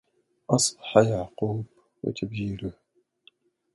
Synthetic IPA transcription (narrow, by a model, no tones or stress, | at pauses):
ʔɑsˤbɑ̥ħajaʕquːb | wɪ̰t̪ʰabd͡ʒiːlʊh